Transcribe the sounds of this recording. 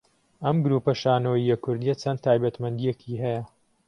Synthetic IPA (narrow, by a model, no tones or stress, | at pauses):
ʔɐmɡʊɾuːpɐʃaːnoːiːɐkʰːʊɾd̪ijɐt͡sʰɐnt̪ʰaːjbɐt̪mɐnd̪ijekʰiːɦɐjɐ